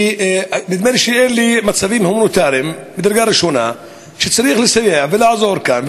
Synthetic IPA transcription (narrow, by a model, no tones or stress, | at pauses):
nid̪menʃeenlimat͡savimhomanot̪aɾim | bed̪aɾɡaɾiʃona | ʃet͡saɾiːxlesajeʕvelaʕzoɾkanv